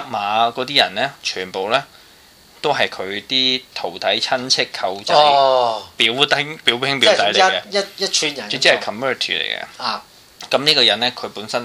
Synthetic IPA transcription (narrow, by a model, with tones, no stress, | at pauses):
ɐ˨˥k̚maː˨˧kɔː˨˧˥t̪iː˥jɐ̰˨˩nlɛː˥t͡ʃʰyː˨˩npo˨wlɛː˥ | t̪o˥wɦɐ˨jkʰɵ˨˧ɥt̪iː˥t̪ʰo˨˩wt̪ʰɐ˨˥jt͡sʰɐ˥nt͡sʰɪ˥kʰːɐ˧wt͡sɐ˥wpiː˨˥wt̪ɪ˥ŋpiː˨˥wpʰɪ˥ŋpi˨˥t̪ɐ˨˥jljkɛ˧jɐ˥jɐ˥t͡ʃʰyː˧njɐ˨˩ɵ˧t͡si˥ɐ˨kʰɐ˨mœː˥˩t̪ʰḭː˨˩lḛ˨˩jkɛ̰˧˨˩ | kɐ˨˥mniː˥kɔː˧jɐ˨˥nlɛː˥kʰɵ˨˧ɥpuː˨˥nsɐ˥n